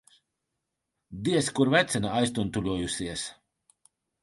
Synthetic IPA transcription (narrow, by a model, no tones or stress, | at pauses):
d̪iɛskuɾvæt̪sɛnaajst̪unt̪ulʲuɔjusiɛs